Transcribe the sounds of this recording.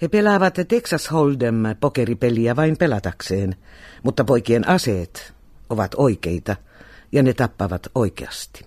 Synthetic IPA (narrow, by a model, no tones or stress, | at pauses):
hepelɑʋɑt̪t̪eksɑsholdempokeripeliæʋɑimpelɑt̪ɑkseːnmut̪ːɑpoikienɑseːt̪ | oʋɑt̪oikeit̪ɑ | jɑnet̪ɑpːɑʋɑt̪oikḛɑst̪i̥